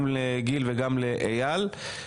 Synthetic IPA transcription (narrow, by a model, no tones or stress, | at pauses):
mleɡilveɡamleʔejal